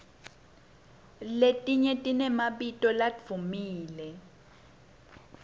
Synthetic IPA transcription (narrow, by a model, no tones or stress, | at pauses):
letʼiɲɛtʼinɛmaɓitʼɔlad̪vumiːlɛ